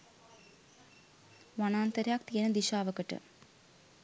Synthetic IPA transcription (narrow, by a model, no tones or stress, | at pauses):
ʋɐnaːnt̪ɐɾaːk̚t̪iɐnɐd̪iʃaːʋɐkɐʈːɨ̰